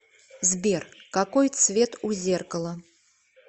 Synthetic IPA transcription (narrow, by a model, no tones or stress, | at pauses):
zʲbʲɛrkakɔjt̪svʲɛt̪uzʲɛrkɐlˠɐ